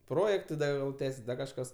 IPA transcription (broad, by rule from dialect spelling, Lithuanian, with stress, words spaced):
ˈproːjɛktɐɪ ˈdɐ jɛʊ ˈtʲæːsʲɪs ˈdɐr kɐʃˈkɐs